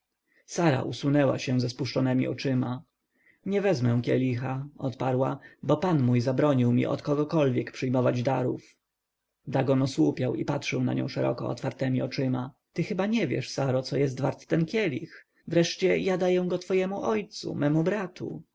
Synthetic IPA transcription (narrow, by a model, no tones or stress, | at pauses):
saɾa̰ʔusunɛwa̰ɕɛ̃zɛspuʂt͡ʂɔnɛmʲḭʔɔ̰t͡ʂɘma | ɲɛvɛzmɛ̃w̃kʲjɛ̰lʲixaɔt̪paɾwabɔpanmujzabɾɔɲiwmʲḭʔɔ̰t̪kɔɡɔkɔlvʲjɛkpʂɘjmɔvad͡ʑd̪aɾṵf | d̪aɡɔnɔswupʲjawipat̪ʂɛwna̰ɲɔ̰̃w̃ʂɛɾɔ̰kɔ̰ɔ̰t̪faɾt̪ɛmʲiɔt͡ʂɘma | t̪ɘxɘbaɲɛvʲjɛ̰ʂsaɾɔt̪sɔjɛst̪vaɾt̪ːɛnkʲɛlʲḭx | vɾɛʂt͡ɕɛjad̪ajɛw̃ɡɔt̪fɔjɛmuʔɔjt̪sṵmɛmubɾat̪ʰṵ